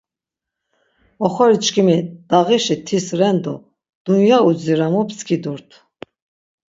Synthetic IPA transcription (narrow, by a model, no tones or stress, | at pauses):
ɔχɔɾit͡ʃkʰimid̪̥aʁiʃit̪ʰisɾɛnd̪ɔ̰ | d̪̥unjaud͡ziɾamupskʰid̪uɾt̪ʰ